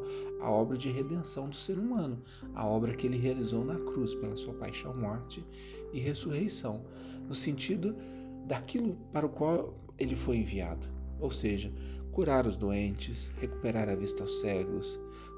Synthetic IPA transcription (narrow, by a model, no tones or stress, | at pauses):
ɐ̰ɔbɾɐd͡ʒɪɦed̪ẽsɐ̃w̃d̪ʊseɾumɐ̃nʊ | ɐ̰ɔbɾɐkɪelɪɦealizownɐkɾuspelɐsuɐpa̰jʃɐ̰̃w̃mɔɾt͡ʃɪ | ɪɦesuɦejsɐ̃w̃ | nʊsẽnt͡ʃid̪ʊ | d̪akilʊpaɾɐʊkwaw | elɪfojẽvia̰d̪ʊowseʒɐkuɾaɾʊzd̪uẽnt͡ʃɪsheku̥peɾaɾɐvist̪ɐawsɛɡʊs